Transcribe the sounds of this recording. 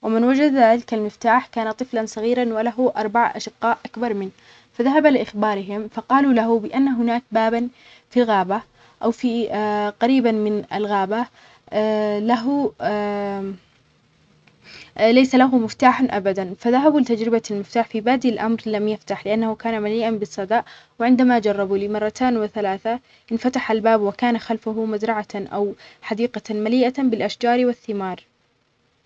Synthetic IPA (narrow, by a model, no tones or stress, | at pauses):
wɪmɪnwad͡ʒad̪lɪkalmɪft̪aːħkaːnat̪ˤɨflansˤɑɣiːɾanwalaɦʊʔɑɾˤbaʕʔa̰ʃɪqːɑːʔʔakbɑɾˤmɪn | faðaɦabalɪʔɪxbɑːɾɪɦɪmfɑqɑːlulaɦʊbɪʔanːaɦʊnaːk̚baːban | filɣaːba | ʔawfiqɑɾiːbanmɪna̰lɣaːba | laɦʊ | lajsalaɦʊmɪft̪aːħanʔabad̪anfaðaɦabulɪt̪ad͡ʒɾɪbalmɪft̪aːħfibaːd̪ilʔamɾlamjaft̪aħlɪʔanːahʊkaːnamaliːʔanbɪsˤːɑd̪ɑːʔwɪʕɪnd̪amad͡ʒɑrˤːɑbuliːmɑrˤːɑt̪ʰaːnwɪθalaːθa | ʔɪnfat̪aħalbaːbwɪkaːnaxalfʊɦʊmazɾˤɑʕaʔa̰wħad̪iːqɑmaliːʔabɪlʔaʃd͡ʒɑːɾwɪθːɪmɑːɾˤ